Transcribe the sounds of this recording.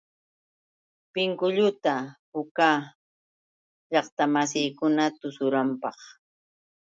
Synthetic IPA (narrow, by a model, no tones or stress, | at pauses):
pɪŋkʊʎʊt̪apʊkaː | ʎɑχt̪amas̬ijkʊnat̪ʊsʊɾampɑχ